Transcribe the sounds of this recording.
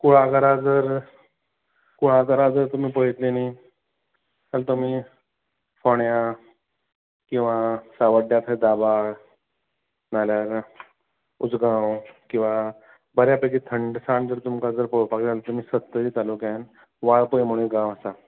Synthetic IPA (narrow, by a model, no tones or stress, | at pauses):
kuɭakəɾad͡zəɾ | kuɭãkəɾad͡zəɾt̪um̤iːpəɦit̪leni | alt̪um̤i | fɔɳja | kĩw̃ʋasaʋəɖjat̪ʰed̪aba | naljaɾ | ud͡zɡãwkĩw̃ʋa | bəɾjapəkit̪ʰəɳɖsãɳd͡zəɾt̪umkad͡zəɾpəɭupaklealt̪um̤iːsət̪ːəiːt̪alukjãn | ʋaɭpəjm̤əɽ̃iɡãʋəsa